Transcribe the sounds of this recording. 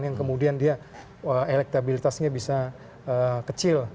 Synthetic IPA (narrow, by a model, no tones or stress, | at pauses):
njankəmudiandia | əelɛk̚t̪abilit̪asɲabisa | əːkət͡ʃɪl